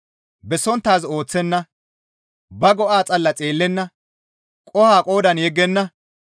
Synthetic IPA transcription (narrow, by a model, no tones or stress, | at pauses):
bɛsɔnt̪ːaːzo̞ːt͡sːɛnːɐ | bɐɡɔʔaːt͡sʼɐlːɐt͡sʼe̞ːlːɛnːɐ | kʼɔhaːkʼo̞ːd̪ɐnjɛɡːɛnːɐ